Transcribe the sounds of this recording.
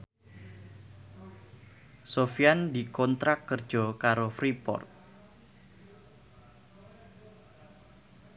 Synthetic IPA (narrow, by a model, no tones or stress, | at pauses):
sofiand̪ikɔnt̪ɾakːərd̥ʒ̥ɔ̤kaɾofɾipɔ̰rt̪̚